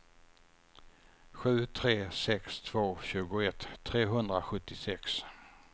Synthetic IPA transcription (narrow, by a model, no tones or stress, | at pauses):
ɧʉ̟ːt̪ʰɾeːsɛkst̪ʰv̥oːɕʉ̟ːɡʊɛt̪ʰːɾeːɦɵnd̪ɾaɧɵt̪ːɪsɛks